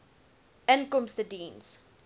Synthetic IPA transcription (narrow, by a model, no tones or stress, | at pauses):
ənkɔmstədiːns